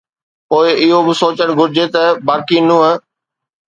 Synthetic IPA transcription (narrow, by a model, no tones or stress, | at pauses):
poːɪɪɦobɪsoːt͡ɕəɽ̃ɡʱʊɾɪd͡ʑet̪ɐbaːkinũːɦə